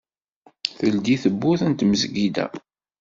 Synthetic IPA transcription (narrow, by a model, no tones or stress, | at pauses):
θəld̪iθəbːuθənt̪məzɡid̪æ̰